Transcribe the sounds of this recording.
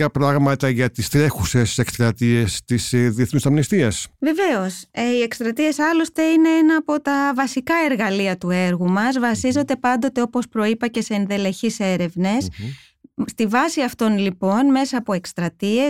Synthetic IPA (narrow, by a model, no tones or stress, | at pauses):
ɐpɾɐɣmɐt̪ɐʝɐt̪ist̪ɾe̞xusest̪isekst̪ɾɐt̪ie̞st̪isðieθnust̪ɐmnist̪iɐsve̞ve̞o̞seie̞kst̪ɾɐt̪ie̞sɐlo̞st̪e̞ine̞enɐːpo̞t̪ɐvɐsikɐe̞ɾɣɐliɐt̪ue̞ɾɣumɐzvɐsizo̞d̪e̞pɐnd̪o̞t̪e̞o̞po̞spɾo̞ipɐce̞se̞ːnðe̞le̞çise̞ɾe̞vne̞s | st̪ivɐsiɐft̪o̞nlipo̞nme̞sɐːpo̞e̞kst̪ɾɐt̪ie